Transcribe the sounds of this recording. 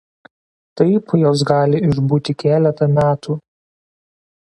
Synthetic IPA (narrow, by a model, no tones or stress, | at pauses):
t̪ɐɪpjoːs̬ɡɑːlʲɪɪʒbuːt̪ʲɪkʲæːlʲɛt̪ɐmʲæːt̪uː